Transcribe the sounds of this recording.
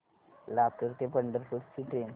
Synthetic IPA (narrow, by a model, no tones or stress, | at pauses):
lap̚kəɾt̪epəɳɖəɾfutt͡ɕiʈɾen